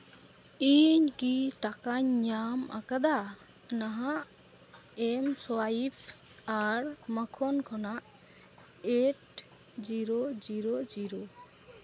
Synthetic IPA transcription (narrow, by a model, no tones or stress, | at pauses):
iɲkiʈakaɲːama̰kad̪a | naɦaʔ | ɛmsɔwaipʰaɾməkʰɔnkʰɔnaʔ | ɛʈ | d͡ʒiɾɔd͡ʒiɾɔd͡ʒiɾɔ